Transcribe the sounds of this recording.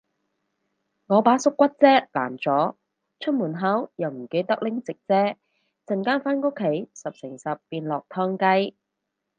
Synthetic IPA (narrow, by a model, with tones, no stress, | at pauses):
ŋɔː˨˧paː˨˥sʊ˥kːwɐ˥t̚t͡sɛː˥la̰ː˨˩nt͡sɔː˨˥ | t͡ʃʰɵ˥t̚muː˨˩nɦɐ˨˥wjɐ˨˩wm̩˨˩ke˧jt̪ɐ˥k̚lɪ˥ŋt͡sɪ˨k̚t͡sɛː˥ | t͡sɐ˨˩nkaː˥nfaː˥nkʊ˥kʰːe˨˥jsɐ˨p̚sɪ˨˩ŋsɐ˨pːiː˧nlɔː˨k̚t̪ʰɔː˥ŋkɐ˥j